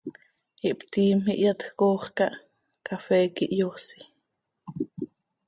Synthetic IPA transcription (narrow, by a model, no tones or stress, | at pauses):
iʔpt̪iːmhḭʔjɑt̪xkoːχkɑʔ | kafɛːkḭʔjoːsi̥